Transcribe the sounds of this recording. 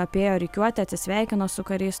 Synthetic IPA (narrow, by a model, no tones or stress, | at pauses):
ɐpʲeːjoːɾʲɛɪkʲuɔt̪ʲɪɐt̪ʲsɪsʲʋʲæˑɪkʲɪnoːsʊkɐɾʲɛɪs